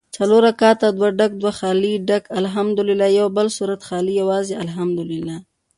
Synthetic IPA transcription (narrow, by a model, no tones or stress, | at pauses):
t͡saloɾakɑt̪ad̪waɖak̚d̪waxɑliɖakalɦamd̪ʊlɪlːɑjawbəlsuɾat̪xɑlijawɑzealɦamd̪ʊlɪlːɑ